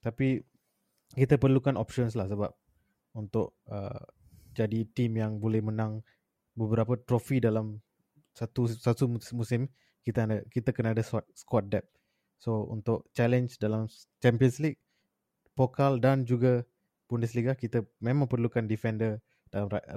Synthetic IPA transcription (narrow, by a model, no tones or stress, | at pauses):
t̪api | kit̪əpərlukanɔpʃɔns̬lahsəbap̚ | unt̪ʊʔə̰ | d͡ʒadit̪imjaŋbolɛhmənãŋ | bəbəɾapət̪ɾofidalam | sat̪usat̪umusɪm | kit̪əəkit̪əkənadast̪̚skɔt̪̚dɛp̚ | soṵnt̪ʊʔt͡ʃɛlɛnsdalam | t͡ʃɛmpiənsliɡ̚ | fokaldand͡ʒuɡa | bundəsliɡ̚lahkit̪əmẽmãŋpərlukandifɛndə | d̥alam